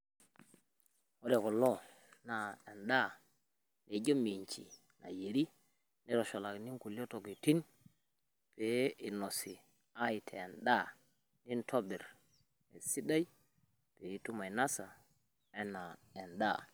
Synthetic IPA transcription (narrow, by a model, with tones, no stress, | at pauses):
o˦de˨ko˨lo˦ | na˨e˨nɗa˦˨ | ne˨ɟo˦mi˨ɲt͡ʃḭ˨ | na̰˨je˨ɾi˦ | ne˦ɾo˨ʃo˨la˨kni˦ŋku˨li˦o˦to˨ki˨ti˦n | pe˨˦i˨no˨si˨ | a˦i˨tʰeː˨nɗa˦ | ni˦ntʰo˦bi˨ɾ | ḛ˨si˦da˦j | pe˨i˦tu˦ma˨i˨na˦sa˨ | e˦na˨e˨nda̰˦˨